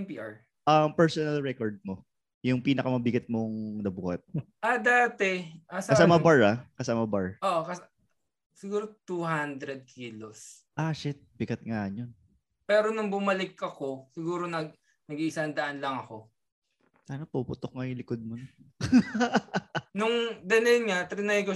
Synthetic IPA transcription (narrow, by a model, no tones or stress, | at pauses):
ɛmpiːʔaɹ | ʔɐmpɛɹsonɐlɹɛkoɹd̪̚mo | jʊŋpiːnɐkɐmɐbɪɡɐt̪̚moŋnɐbuːhɐt̪̚ | ʔɐd̪aːt̪ɛʔɐskɐssaːmɐbaɹakɐsaːmɐbaɹʔoʔkɐs | sɪɡuːɾot̪uɦand̪ɾɛd̪̚kʰiːlos | ʔaʃɪt̪̚bɪɡɐt̪̚ŋaɲon | pɛːɾonʊŋbʊmɐlɪkːɐko̞sɪɡuːɾo̞nɐ | nɐɡiʔɪsɐnd̪ɐʔanlɐŋɐko̞ | saːnɐpupʊt̪ok̚ŋɐjʊlɪkod̪̚mono | nʊŋd̪ɐnɐjnŋɐt̪ɾɪnajko